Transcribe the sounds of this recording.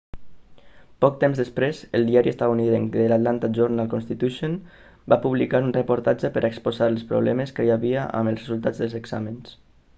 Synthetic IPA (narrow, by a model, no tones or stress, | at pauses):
pɔk̚t̪emzðəspɾezəlˠd̪iaɾiəst̪auniðeŋd̪əlat̪lant̪aʒoɾnalˠkonst̪it̪uʃon | bapuβlikaɾunrəpuɾt̪ad͡ʒəpəɾʔaekspozaɾəlspɾṵβlɛməskəjaβiaʔə̰məlˠsrəzulˠt̪ad͡zðəlˠzeɡz̥aməns